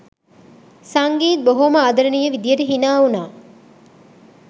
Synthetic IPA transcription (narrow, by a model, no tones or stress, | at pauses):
sɐŋɡiːt̪̚boɦomɐɐd̪ɐɾɐnijɐʋid̪ijɐʈuɦinaːunaː